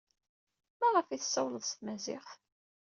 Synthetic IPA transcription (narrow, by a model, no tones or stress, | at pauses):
mæʁəfiθə̥sːɑwləðˤst̪mæzɪ̰χθ